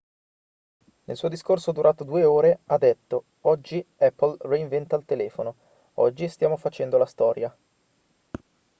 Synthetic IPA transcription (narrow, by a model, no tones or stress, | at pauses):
nḛlsuːod̪iskorsod̪uɾʔaːt̪od̪uːeoːɾead̪ːet̪ːo | ɔd͡ʒːiɛpːlreiɱvɛnt̪alt̪elɛːfono | ɔ̰d͡ʒːist̪jaːmofat͡ʃɛnd̪olast̪ɔːɾja